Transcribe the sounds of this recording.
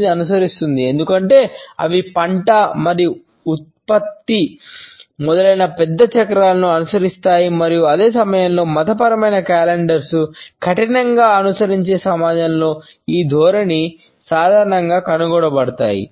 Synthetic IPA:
d̪iɐnusɐɾist̪und̪ie̞nd̪ukɐɳʈe̞ːɐ̰ʋipɐɳʈɐmɐɾiu | ut̪̚pɐt̪ːi | mɔd̪ɐlɐjnɐpɛd̪ːɐt͡ʃɐkɐɾaːlɐnuɐnusɐɾist̪aːjimɐɾijuɐd̪e̞ːsɐmɐjɐmlo̞ːmɐt̪ɐpɐɾɐmɐjnɐkaːleɳɖɐɾsukʰɐʈinɐŋɡaːɐnusɐɾiɲt͡ʃe̞ːsɐmaːd͡ʒɐmlo̞ː | iːd̪ʱɔːɾɐni | saːd̪ʱaːɾɐɳɐŋɡaːkɐnuɡɔːɽɐbɐɽɐt̪a̰ːjḭ

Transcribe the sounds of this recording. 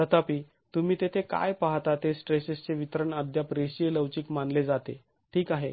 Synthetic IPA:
sət̪apiː | t̪um̤iːt̪et̪ʰeka̰jpaɦt̪at̪esʈɾesest͡seʋit̪əɾəɳəd̪ʱjapɾeɕijeləʋt͡ɕiːkmanled͡zat̪e | ʈʰiːkaɦḛ

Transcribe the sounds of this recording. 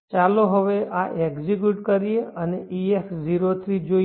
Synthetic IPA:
t͡ʃaloɦəʋeʔaʔeɡziɡjuʈkəɾijeəneʔiefziɾot̪ʰɾid͡ʒo

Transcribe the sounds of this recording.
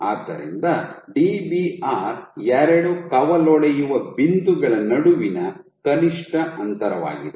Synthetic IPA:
aːd̪ːɐ̰ɾḭnd̪ɐɖiːbiaːɾɛɾɐɽukɐʋɐlɔɭejuʋɐbind̪uɡɐɭɐnɐɽuʋinɐkɐniʂʈɐɐnt̪ɐɾɐʋa̰ːɡid̪e

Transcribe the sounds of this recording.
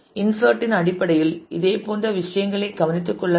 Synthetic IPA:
ɪnsɐːʈːɪnɐɽɪpːɐɽɐjɪlɪ̰ðeːpoːndɐʋɪʂɐjɐŋɡɐɭɐɪɡɐʋɐnɪt̪ːɯkːɔɭːɐ

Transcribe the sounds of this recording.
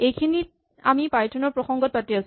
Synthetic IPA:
ejkʰinit̚ | a̰mipajtʰɔnɔɹpɹɔxɔŋɡɔt̚patias

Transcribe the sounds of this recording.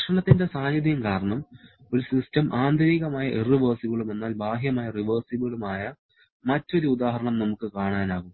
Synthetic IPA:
ʂɐɳɐt̪ːinde̞saːnjɐðjɐmkaːɾɐɳɐm | o̞ɾusistɐmʔaːnd̪ʱɐɾiɣɐmaːjɐʔeriʋɐːrsiʋɐɭume̞nːaːlbʱaːɦjɐmaːjɐriʋɐːrsiʋɐɭumaːjɐ | mɐtːo̞ɾuud̪aːɦɐɾɐɳɐmnɐmukːɨkaːɳaːnaːɣum

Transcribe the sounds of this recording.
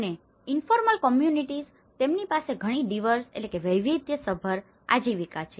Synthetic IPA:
əne | infoɾməlkɔmjuniʈiz | t̪emnipaseɡʱəɽ̃id̪iʋəɾsḛtlekeʋəjʋid̪jəsəbʱəɾ | a̰d͡ʒiʋikat͡ʃʰe

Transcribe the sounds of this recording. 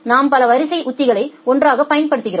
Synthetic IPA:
naːmpɐlɐʋɐɾɪsɐɪʔʊt̪ːɪɣɐɭɐɪɔndraːɣɐpɐjɐnpɐɽɯt̪ːɯɣɪɾo

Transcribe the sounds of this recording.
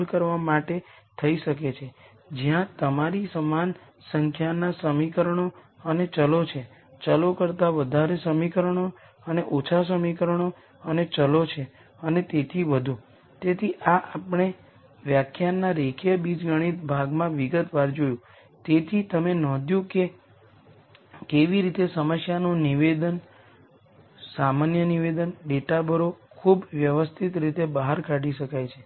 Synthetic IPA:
lkəɾʋamaʈe | t̪ʰəiʃək̬et͡ʃʰe | d͡ʒijãt̪əmaɾisəman | səŋkʰjanasəmikəɾəɳ̃o | ənet͡ʃəlot͡ʃʰe | t͡ʃəlokəɾt̪aʋəd̪ʱaɾesəmikəɾəɳ̃o | əneʔot͡ʃʰas̬əmikəɾəɳ̃o | ənet͡ʃəlot͡ʃʰe | ənet̪et̪ʰiʋəd̪ʱũ | t̪et̪ʰiʔaʔapɳ̃e | ʋjakʰjanːaɾekʰjəbid͡ʒɡəɽ̃it̪bʱaɡmãʋiɡət̪ʋaɾd͡ʒojũ | t̪et̪ʰit̪əmenɔ̃d̪ʱjũke | keʋiɾit̪esəməsjanõniʋed̪ən | samanjəniʋed̪ənɖeʈabʱəɾokʰubʋjəʋəst̪ʰit̪ɾit̪ebaɦaɾkʰaɖiʃəkajt͡ʃʰe

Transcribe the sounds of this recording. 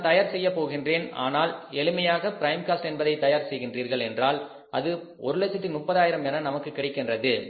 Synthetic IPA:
t̪ɐjaːɾsɛjːɐpːoːɣɪndreːna̰ːnaːlɛɭɯmɐjaːɣɐpɪɾɐɪmkaːsʈɛnbɐðɐɪt̪ɐjaːɾsɛjɣɪndriːɾɣɐɭɛndraːl | ʔɐðɯ | ɔɾɯlɐsɐt̪ːɪmʊpːɐðaːjɪɾɐmɛnɐnɐmɐkːɯkːɪɽɪkːɪndrɐðɯ

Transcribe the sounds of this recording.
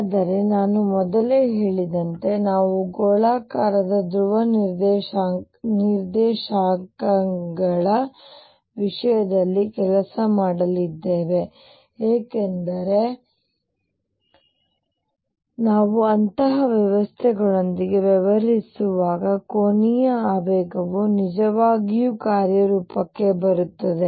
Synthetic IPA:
d̪ɐɾe̞naːnumɔd̪ɐleːɦeːɭid̪ɐnt̪e̞naːʋuɡoːɭaːkaːɾɐd̪ɐd̪ɾuʋɐnɾd̪ | niɾd̪ɛːʃaːkɐŋɡɐɭɐ | ʋiʂɐjɐd̪ɐlːikɛlɐsɐmaːɽɐlid̪ːeːʋe̞ | eːkend̪ɐɾe̞ | naːʋuɐnt̪ɐɦɐʋjɐʋɐst̪ʰɛɡɐɭo̞nd̪iɡe̞ʋɛʋɐɾisuʋaːɡɐkoːnijɐaːʋɛːɡɐʋunid͡ʒɐʋaːɡijukaːɾjɐɾuːpɐkːe̞bɐɾut̪ːɐd̪e

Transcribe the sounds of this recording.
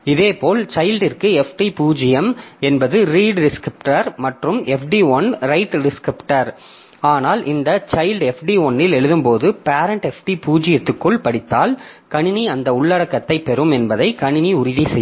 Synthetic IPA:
ɪðeːpoːlt͡ʃɐɪlɖɪrkɯɛfʈipuːd͡ʒɪjɐmɛnbɐðɯɾiːɖɖɪskɾɪp̚ʈɐɾmɐʈrɯmɛfɖiɔɳɾɐɪʈɖɪskɾɪpʈɐɾ | aːnaːlʔɪnd̪ɐt͡ʃɐɪlɖɛfɖiɔɳːɪlɛɻɯðɯmpoːðɯpaːɾɐɳʈɛfʈipuːd͡ʒɪjɐt̪ːɯkːɯɭpɐɽɪt̪ːaːlkɐɳɪniɐnd̪ɐʊɭːɐɽɐkːɐt̪ːɐɪpːɛɾɯmɛnbɐðɐɪkɐɳɪniʊɾɪðisɛj

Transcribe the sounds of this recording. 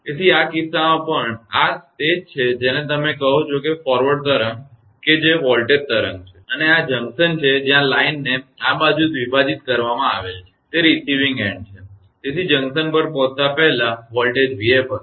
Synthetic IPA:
t̪et̪ʰiakisːamãpəɳasʈed͡ʒt͡ʃʰed͡ʒenẽt̪əmekəɦõt͡ʃʰokefɔɾʋəɖt̪əɾəŋ | ked͡ʒeʋɔlʈeɖ̚t̪əɾə̰ŋɡ̚t͡ʃʰeənead͡ʒəŋɡsənt͡ʃʰed͡ʒjãlainːeabad͡ʒud̪ʋibad͡ʒit̪kəɾʋamãa̰ʋelt͡ʃʰe̥t̪eɾisiʋĩŋɡḛ̃ɳɖ̚t͡ʃʰe | t̪et̪ʰid͡ʒə̃ŋɡsənpəɾpɔt̪ːapɛɦlaʋɔlʈed͡ʒʋiepəɾ

